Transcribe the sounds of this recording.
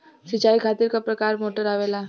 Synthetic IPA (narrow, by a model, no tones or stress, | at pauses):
sɪt͡ʃaːikʰaːt̪ɪɾkapɾɐkaːɾmoːʈəɾaːʋeːlaː